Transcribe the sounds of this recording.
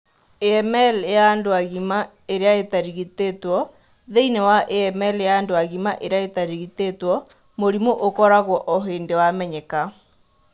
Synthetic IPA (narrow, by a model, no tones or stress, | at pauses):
eɛmɛljaːndoaɣima | eɾeaetaɾiɣitetwɔ | ðeinewaʔeɛmɛljaːndoaɣimaʔeɾeaetaɾiɣitetwɔ | moɾimoʔokɔɾaɣwɔʔoɦeːndewamɛɲɛka